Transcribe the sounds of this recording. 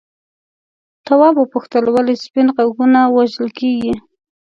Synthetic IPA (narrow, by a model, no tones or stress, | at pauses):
t̪awɑbopuxt̪əlwalispɪnqaɡunawaʒəlkeɡi